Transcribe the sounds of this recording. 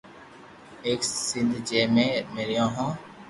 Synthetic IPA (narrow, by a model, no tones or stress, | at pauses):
eːksɪ̃nd̪d͡ʒeːmẽːmeːɾijãːɦõː